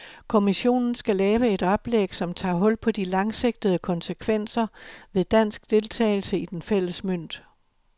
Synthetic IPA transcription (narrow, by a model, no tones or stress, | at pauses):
kʰo̝miɕo̝̰ːnn̩sɡ̥ælɛːʋəe̝d̥ɒ̽b̥leɡ̥sɒ̽mt͡sʰɑ̰̈ːɦɔ̽l̰pʰɒ̽d̥ilɑ̈ŋse̝ɡ̥̚d̥ð̞̩ˠəkʰɒ̽nsəkʰʋen̰sɐʋe̝ðˠd̥æn̰sɡ̥d̥e̝lt͡sʰɛ̰ːɪl̩səid̥enfel̰əsmøn̰d̥